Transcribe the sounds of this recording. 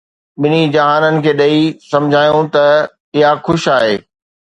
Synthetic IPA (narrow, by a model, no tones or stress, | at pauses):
ɓɪnid͡ʑɐɦaːnənɪ̆kʰeːɗɐisɐ̃md͡ʑʱaːjoũt̪ɐ | ɪɦaxʊʃaːɦeː